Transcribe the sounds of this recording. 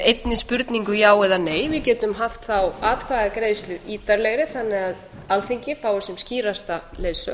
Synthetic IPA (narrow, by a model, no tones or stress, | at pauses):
ejt̪nɪspʏɾt̪niŋkʏjaːwɛðaneːjvɪðcɛːt̪ʏmɦaft̪θawaːt̪kʰvaɣakɾeːjst̪lʏɾiːt̪aɾlɛɣɾɪθanːɪɣað | alθiɲcɪfaːwʏsɛmsciːɾast̪aleːðsʏ̰